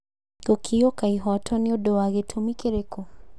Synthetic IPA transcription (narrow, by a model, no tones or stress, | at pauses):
ɡ̥okʰiɔkaiɦɔtʰɔneodɔwaɣetʰomikeɾeko